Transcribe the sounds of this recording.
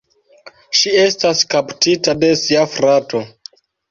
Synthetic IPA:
ʃie̞staskaptitade̞siafɾato̞

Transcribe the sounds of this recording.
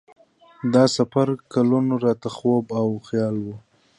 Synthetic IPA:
d̪ɑsafaɾkalunoɾɑt̪axobawxjɑlwu

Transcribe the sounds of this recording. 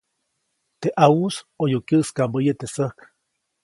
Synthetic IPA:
t̪eʔausojokjəskambəjət̪esəhk

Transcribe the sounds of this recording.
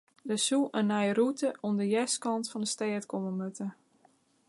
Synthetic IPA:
dəsuʔənːɛjrutəʔondəjɛskɑntfɔndəstɛːətkoməmøtə

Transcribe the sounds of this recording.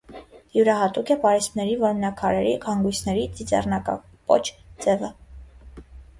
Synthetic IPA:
juɾɑɦɑt̪ukʰɛpɑɾɛsmnɛɾivɔɾmnɑkʰɑɾɛɾikʰɑŋɡujsʰnɛɾit͡sit͡sɛ̰rnɑkɑ̰ | pɔ̰t͡ʃʰt͡sɛvə

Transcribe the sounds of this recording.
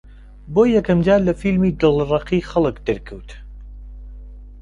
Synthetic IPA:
bojːɛkɐmd͡ʒaːɾlɐfilmiːd̪ɨlˠrˤɑqixɐlˠəkd̪ɨɾkʰəwt̪

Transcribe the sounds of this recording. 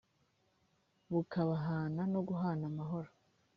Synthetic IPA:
βukaβaɦaːnano̞ɡuɦaːnamaɦo̞ɾo

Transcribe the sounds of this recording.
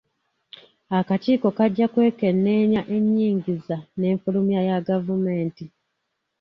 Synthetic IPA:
akaciːko̞kaɟːakwe̞ːke̞nːe̞ːɲaʔe̞ɲːiːɲɟizane̞ːɱfulumjajaɡavume̞ːnti

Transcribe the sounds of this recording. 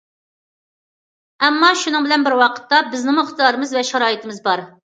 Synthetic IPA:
ɛmːɑʃunɨŋbɪlɛnbɪɾwɑqʰə̥t̪ːɑbɪznɨmʊχt̪ʰjɑːɾɨmɨzvɛʃɑɾɑːit̪ʰɪmɪzbɑɾ

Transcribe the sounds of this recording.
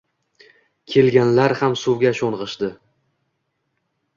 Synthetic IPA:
kʲʰe̞lɡʲanlaɾhamsuwɡʲaʃonʁɨʃd̪ɪ

